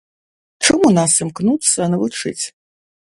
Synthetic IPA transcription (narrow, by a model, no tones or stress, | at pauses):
ʈ͡ʂʰɨmunasɨmknutsɐːnɐvɨʈ͡ʂʰɨ̰t͡sʲʰ